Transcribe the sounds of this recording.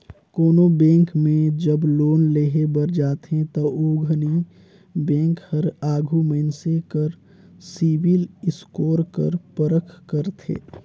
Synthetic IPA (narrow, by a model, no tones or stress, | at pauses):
koːnobẽːŋkmẽd͡ʒəbloːnleːɦebəɾd͡ʒaːt̪ɦẽt̪ɔoːɡʱəni | bɛ̃ːŋkhəɾaːɡʱuməɪnsekəɾ | siːʋɪlɪskoːɾkə̰ɾpəɾəkʰkəɾt̪ʰḛː